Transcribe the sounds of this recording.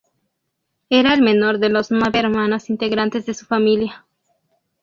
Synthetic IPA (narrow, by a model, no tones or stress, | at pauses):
e̞ɾaelme̞no̞ɾðelozmaβeɾmano̞sint̪e̞ɣɾant̪e̞zðe̞su̥familja